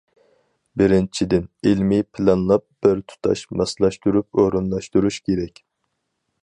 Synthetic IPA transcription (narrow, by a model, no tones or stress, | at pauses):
bɪɾɪnt͡ʃʰid̪ɪnilmɪpʰɪlˠɑnlˠɑp̚b̥ɪɾt̪ʰu̥t̪ʰɑ̰ʃmɑslˠɑʃt̪uɾup̚oɾunlˠɑʃt̪uɾuʃkʲʰeɾɛkʲ